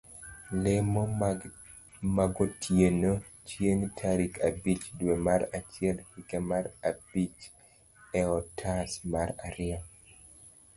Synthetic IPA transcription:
lɛmo | maɡotʰjeno | t͡ʃjeŋtʰaɾikʰabit͡ʃdwemaɾat͡ʃɪɛlikɛmaɾab̥it͡ʃ | ɛɔtʰasmaɾaɾɪa

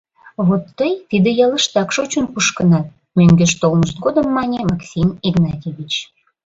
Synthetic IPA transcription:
βot̪ːəjt̪id̪ĕjɑləʃt̪ɑkʃot͡ɕunpuʃkənɑt̪̚ | mʲøŋɡʲeʃt̪olməʃt̪̚ɡod̪əmːɑnʲemɑksʲimiɡnɑt̪ʲeβʲit͡ɕ

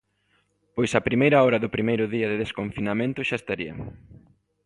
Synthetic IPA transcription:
pojsɐpɾimejɾɐɔɾɐðʊpɾimejɾʊðiɐðɪðeskoɱfinamẽnt̪ʊʃaest̪aɾiɐ̰

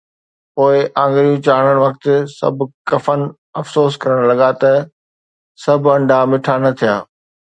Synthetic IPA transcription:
poːɪʔãːŋɡɾijũt͡ɕaːɽ̃əɽ̃ʋɐk̚t̪ɪsɐ̰bʱkɐfən̆ | ɐfsoːskɐɾəɽ̃lɐɠat̪ɐ | sɐbʱɐ̃ɳɖʱamɪʈʰanɐt̪ʰijaː

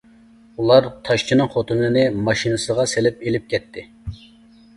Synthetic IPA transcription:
ulˠɑɾt̪ʰɑʃt͡ʃʰinɨŋχot̪ʰunɨnɨmɑʃinɨsəʁɑselɪp̚elɪp̚kʲʰɛt̪ʰːɪ

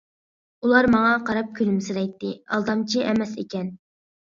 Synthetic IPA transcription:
ulˠɑɾmɑŋɑqʰɑɾɑp̚kʲʰylymsɪɾɛjt̪ːɨɑ̰lˠd̪ɑmt͡ʃʰiʔɛmɛsḛkʲɛn

